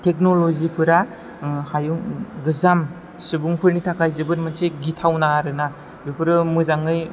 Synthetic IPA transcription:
tʰek̚nolozipʰɯɾa | hajuŋɡɯzam | sɯbuŋpʰɯɾnitʰakʰajzɯbɯɾmɯnseɡitʰawnaːɾɯna | bupʰɯɾɯmɯzaŋɯj

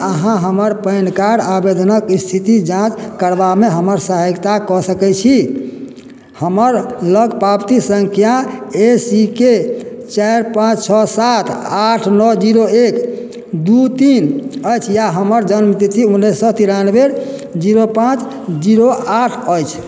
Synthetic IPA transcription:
əɦãɦəməɾpəɪnkaɾabed̪ʱənəkist̪ʰit̪id͡ʒãt͡ʃkəɾbameɦəməɾsəɦəɡt̪akɔsəkɛt͡ʃʰi | həməɾləɡpabt̪isəŋkʰijaesiket͡ʃaɾpãt͡ʃt͡ʃʰɔsat̪ʰaʈʰnɔd͡ʒiɾoek | d̪ut̪inəjt͡ʃʰjaɦəməɾd͡ʒənmt̪it͡ʃʰiunːesːɔt̪iɾanbeɾ | d͡ʒiɾopãt͡ʃ | d͡ʒiɾoaʈʰəjt͡ʃʰ

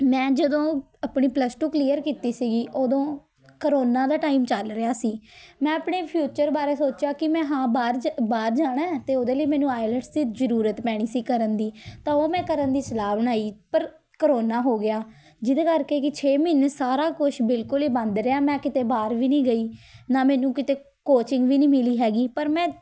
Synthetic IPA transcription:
mɛ̃ːd͡ʒəd̪õː | əpɳiːpləsʈuːkliːəɾkiːt̪iːsiːɡiːʔoːd̪õː | kəɾoːnaːd̪aːʈaːiːmt͡ʃəlɾɪaːsiːmɛ̃ːəpɳeːpʰjuːt͡ʃəɾbaːɾeːsoːt͡ʃaːkɪmɛ̃ːɦãːbaːɾbaːɾd͡ʒaːɽaɛːt̪eːoːd̪eːləiːmɛ̃ːnũːaːɪləɖsd̪iːzəɾuːɾət̪pɛːɽ̃iːsiːkəɾənd̪iːt̪ãːoːmɛ̃ːkəɾənd̪iːsəlaːbəɽ̃aːiːpəɾ | kəɾoːnaːɦoːɡɪjaː | d͡ʒɪd̪eːkəɾkeːkɪt͡ʃʰeːmɪnsaːɾaːkʊʃʰbɪlkʊliːbənd̪ɾeaːmɛ̃ːkɪt̪eːbaːɾʋiːnĩːɡəiːnaːmɛːnũːkɪt̪eː | koːt͡ʃɪ̃ŋɡʋiːnĩːmɪliːɦɛːɡiːpəɾmɛ̃ː

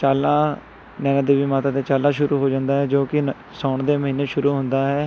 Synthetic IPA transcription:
t͡ʃaːlãː | nɛːnad̪eːʋiːmaːt̪ãːd̪eːt͡ʃaːlãːʃʊɾʔuːɦoːd͡ʒãːnd̪aːɦɛːd͡ʒoːkɪ | sɔːɳd̪eːməɦiːnːeːʃʊɾuːɦʊ̃nd̪aːɦɛː

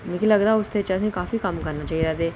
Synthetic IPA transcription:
mɪkiləɡd̪aːʊst̪et͡ʃaːsẽkaːfikɐmkəɾnat͡ʃaːid̪at̪eː

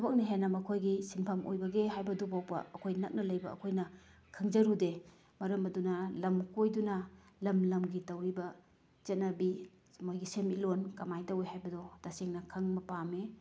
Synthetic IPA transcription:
sʰɐbɐk̚nɐɦenːɐmɐkʰojɡisinpʰamo̰jbɐɡeɦajbɐdubaw̚pɐ̰ɐkʰojnɐk̚nɐlɐjbɐɐ̰kʰojnɐ | kʰɐŋd͡ʒɐɾude | mɐɾɐmɐdunɐlɐmkojdunɐ | lɐmlɐmɡitɐwibɐ | t͡ʃɐtnɐbi | mojɡisemilonkɐmajtɐwejhajbɐdɔd̥aseŋnɐkʰɐŋmɐpame

